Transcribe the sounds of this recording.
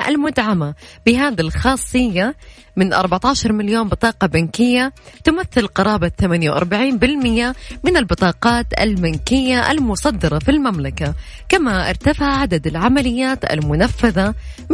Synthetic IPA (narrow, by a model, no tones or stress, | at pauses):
ʔa̰lmʊd̪ʕamab̥ɪɦaːd̪ilxɑːsˤːɨjːa | mɪnʔɑ̰ɾˤbaʕt̪ɑːʃɑɾˤmaljoːnbɨt̪ˤɑːqɑbankɪjːat̪ʊmaθːɪlqɑɾˤɑːbaθamaːnjawʔɑ̰ɾˤbaʕiːnbɪlmɪjːamɪnalbɨt̪ˤɑːqɑːt̪a̰lbankɪjːaʔa̰lmʊsˤɑd̪ːɑɾˤɑfilmamlaka | kamaʔɪ̰ɾˤt̪afaʕʕad̪ad̪alʕamalɪjːaːt̪a̰lmʊnafːaðam